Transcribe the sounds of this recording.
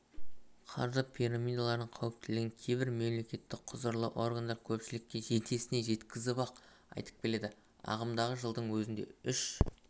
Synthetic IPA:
qʰɑɾzəpʰiɾamʲijd̪alˠɑɾnəɴqʰɑwɪp̚t̪ɪlɪɡʲɪŋkʲʰe̞jbɪɾme̞mle̞kʲe̞t̪ːɪk̚qʰʊzəɾlˠə̰ʔo̞rɡand̪ɑɾkʲʰɵpʃɪlɪk̚ʲːe̞ʒe̞t̪ʰe̞sɪne̞ʒe̞t̪kʲɪzɪbɑq | ɑ̰jt̪ə̥q̚bʲe̞le̞d̪ɪ | ɑ̰ʁəmd̪ɑʁəʒəlˠd̪əɴwɵzɪnd̪e̞̰ʏʃ

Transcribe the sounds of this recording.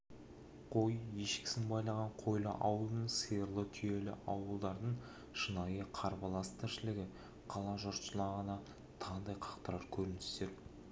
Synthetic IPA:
qʰo̞je̞ʃkʲɪ̥sɪnbɑjlˠɑʁɑɴqʰo̞jlˠə̰ʔɑwəlˠnəɴsejɾlˠət̪ʰʏje̞lɪ̰ʔɑwəlˠd̪ɑɾd̪əɴ | ʃənɑjəqʰɑɾbɑlˠɑst̪ʰɪɾʃɪlɪɡʲɪ | qʰɑlˠɑʒʊɾt̪ʃəlˠɑʁənɑ | t̪ʰɑnd̪ɑjqʰɑ̥qt̪əɾɑɾkʲʰɵɾɪnɪst̪e̞ɾ

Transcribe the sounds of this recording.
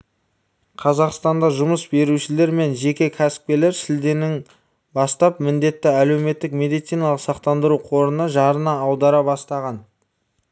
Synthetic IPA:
qʰɑzɑqst̪ɑnd̪ɑʒʊməsbe̞ɾuʃɪle̞ɾme̞nʒe̞kʲe̞kʲʰæsɪ̥p̚kʲe̞le̞ɾsɪld̪e̞nɪŋ | bɑst̪ɑpmɪnd̪e̞t̪ːɪæle̞wme̞t̪ːɪkme̞d̪ijt̪sijnɑlˠəqsɑqt̪ɑnd̪əɾuqʰo̞ɾənəʒɑɾənɑːwd̪ɑɾɑbɑst̪ɑʁɑn

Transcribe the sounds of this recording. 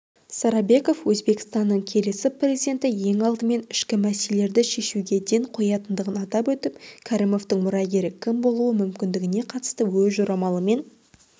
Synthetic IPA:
sɑɾɑbe̞ko̞fwɵzbe̞kʲɪ̥st̪ɑnːəɴkʲʰe̞le̞sɪpʰrʲe̞zid̪ʲe̞nt̪ɪje̞ŋɑlˠd̪əme̞nɪʃkʲɪmæsele̞ɾd̪ɪʃe̞ʃuɡʲe̞d̪e̞ɴqʰo̞jɑt̪ənd̪əʁənɑt̪ɑpwɵt̪ɪpkʲʰaɾimo̞ft̪əɴmʊɾɑɡʲe̞ɾɪkʲʰɪmbo̞lˠuwəmʏmkʲɪnd̪ɪɡʲɪne̞qʰɑt̪ə̥st̪əwɵzʒoɾɑmɑlˠəme̞n

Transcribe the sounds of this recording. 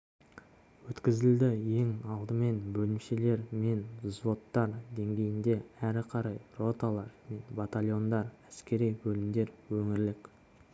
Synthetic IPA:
wɵt̪kʲɪzɪld̪ɪje̞ŋɑlˠd̪əme̞nbɵlɪmʃe̞le̞ɾme̞nzvo̞t̪ːɑɾd̪e̞ŋɡʲe̞jɪnd̪e̞æɾɪqʰɑɾɑjro̞t̪alˠɑɾme̞nbat̪alʲjo̞nd̪ɑɾæskʲe̞ɾijbɵlɪmd̪e̞ɾwɵŋɪɾlɪkʲ

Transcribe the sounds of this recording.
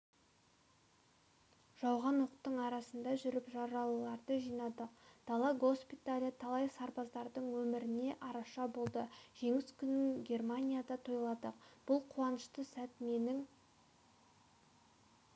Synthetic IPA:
ʒ̥ɑwʁɑnwoqt̪ːəɴɑɾɑsənd̪ɑʒʏɾɪpʒɑɾɑlˠɑɾd̪əʒijnɑd̪əqd̪̥ɑlˠɑɡo̞spʲit̪alʲijt̪ʰɑlˠɑjsɑɾpɑzd̪ɑɾd̪əɴwɵmɪɾɪne̞ʔɑɾɑʃɑbo̞lˠd̪əʒ̥e̞ŋɪskʲʰʏnɪŋɡʲe̞rmanʲijad̪ɑt̪ʰojlˠɑd̪əqb̥ʊlˠqʰuwɑnəʃt̪əsæt̪me̞nɪŋ

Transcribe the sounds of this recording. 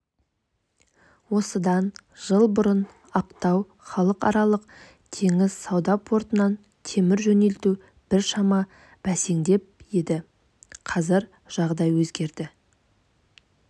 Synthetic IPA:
wo̞səd̪ɑnʒ̥əlˠbʊɾən | ɑqt̪ɑw | χɑlˠəqɑ̰ɾɑlˠəq̚ | t̪ʰe̞ŋɪzsɑwd̪ɑpʰo̞ɾt̪ənɑn | t̪ʰe̞mɪɾʒɵne̞lt̪u | b̥ɪɾʃɑmɑ | b̥æse̞ŋd̪e̞p̚je̞d̪ɪ | qʰɑzəɾ | ʒ̥ɑʁd̪ɑjwɵzɡʲe̞ɾd̪ɪ

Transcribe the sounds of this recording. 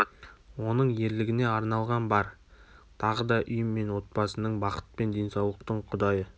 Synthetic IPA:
wo̞nəɴje̞ɾlɪɡʲɪne̞ɑɾnɑlˠʁɑnbɑɾt̪ʰɑʁəd̪ɑʔʏjəmːe̞nwo̞t̪̚pɑsənəɴbɑqə̥t̪̚pe̞nd̪e̞jnsɑwlˠəq̚t̪əɴqʰʊd̪ɑjə

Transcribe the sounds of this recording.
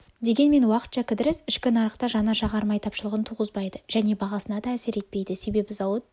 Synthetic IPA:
d̪e̞ɡʲe̞nme̞nwɑqət̪ʃɑkʲʰɪd̪ɪɾɪsɪʃkʲɪnɑɾəqt̪ɑʒɑnɑʒɑʁɑɾmɑjt̪ʰɑpʃəlˠəʁənt̪ʰuʁəzbɑjd̪əʒ̥æne̞bɑʁɑsənɑd̪ɑːse̞ɾe̞t̪̚pe̞jd̪ɪse̞be̞bɪzɑwət̪

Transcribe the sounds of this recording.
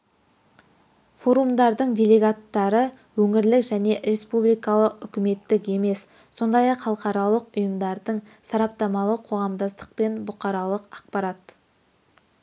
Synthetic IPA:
fo̞ɾumd̪ɑɾd̪əɴdʲe̞lʲe̞ɡat̪ːɑɾə | wɵŋɪɾlɪkʒæne̞ɾe̞spublijkɑlˠəqʏkʲɪme̞t̪ːɪke̞me̞s | so̞nd̪ɑjɑqχɑlˠəqɑɾɑlˠəqʊjəmd̪ɑɾd̪əɴ | sɑɾɑp̚t̪ɑmɑlˠəqʰo̞ʁɑmd̪ɑst̪ə̥qpe̞nbʊqɑɾɑlˠəqɑq̚pɑɾɑt̪

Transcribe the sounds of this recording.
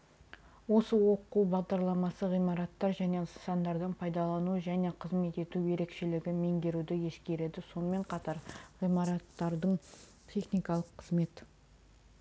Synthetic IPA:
wo̞səwo̞quwbɑʁd̪ɑɾlˠɑmɑsəʁijmɑɾɑt̪ːɑɾʒæne̞sɑnd̪ɑɾd̪əɴpʰɑjd̪ɑlˠɑnuəʒæne̞qʰəzme̞t̪e̞t̪uje̞ɾe̞kʃe̞lɪɡʲɪme̞ŋbʲe̞ɾud̪ɪje̞skʲe̞ɾe̞d̪ɪso̞nəme̞ɴqʰɑt̪ɑɾʁijmɑɾɑt̪ːɑɾd̪əɴ | t̪ʲʰe̞χnijkɑlˠəqʰːəzme̞t̪

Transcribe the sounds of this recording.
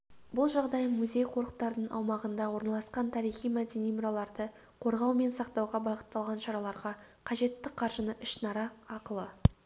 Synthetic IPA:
bʊlˠʒɑʁd̪ɑjmuzʲe̞jqʰo̞ɾəqt̪ɑɾd̪əɴɑ̰wmɑʁənd̪ɑwo̞ɾnɑlˠɑsqɑnt̪ʰɑɾijχijmæd̪ʲe̞nijmʊɾɑlˠɑɾd̪ə | qʰo̞ɾʁɑwme̞nsɑqt̪ɑwʁɑbɑʁə̥t̪ːɑlˠʁɑnʃɑɾɑlˠɑɾʁɑ | qʰɑʒe̞t̪ːɪqʰɑɾʒənəʔɪʃnɑɾɑɑqəlˠə

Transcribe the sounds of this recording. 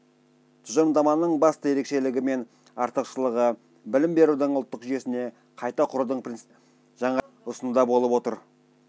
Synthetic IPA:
t̪ʰʊʒənd̪ɑmɑnəɴbɑst̪əje̞ɾe̞kʃe̞lɪɡʲɪme̞n | ɑɾt̪əqʃəlˠəʁə | bɪlɪmbe̞ɾud̪ɪɴʊlˠt̪ːəqʒʏje̞sɪne̞ | qʰɑjt̪ɑqʰʊɾd̪əɴp | ʒ̥ɑɴɑ | ʊsənud̪ɑbo̞lˠəpwo̞t̪əɾ

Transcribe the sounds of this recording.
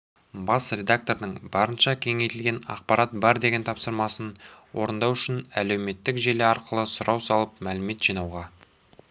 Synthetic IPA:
bɑsrʲe̞d̪ak̚t̪o̞ɾd̪əɴbɑɾənʃɑkʲʰe̞ŋe̞jt̪ɪlɡʲe̞nɑ̰qpɑɾɑt̪̚bɑɾd̪e̞ɡʲe̞nt̪ʰɑpsəɾmɑsənwo̞̰ɾənd̪ɑwʏʃɪnæ̰le̞wme̞t̪ːɪkʒeleɑɾqəlˠəsʊɾʔɑwsɑlˠəpmælɪme̞t̪ʒ̥ijnɑwʁɑ

